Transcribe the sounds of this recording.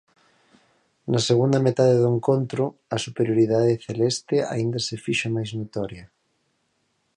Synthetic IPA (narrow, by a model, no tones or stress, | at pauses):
naseɣund̪amet̪aðeðoeŋkont̪ɾʊasupeɾjoɾiðaðeθelɛst̪ea̰ind̪asefiʃomajznot̪ɔɾjɐ